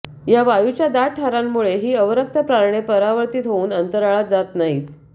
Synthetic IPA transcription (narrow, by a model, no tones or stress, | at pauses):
jaʋajut͡ɕjad̪aʈʰaɾamːuɭeɦiːəʋɾək̚t̪əpɾaɾɳepəɾaʋəɾt̪iːt̪ɦouːnənt̪əɾaɭad͡zat̪naɦi